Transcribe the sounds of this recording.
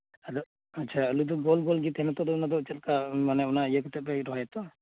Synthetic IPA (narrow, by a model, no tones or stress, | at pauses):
aɾɔ | atːt͡ʃʰaulud̪ɔɡɔlɡɔlɡit̪hɛnat̪ɔd̪ɔunad̪ɔt͡ʃɛt̪kamanɛunaijakɔt̪ɛɛɾɔɦajɛt̪ɔ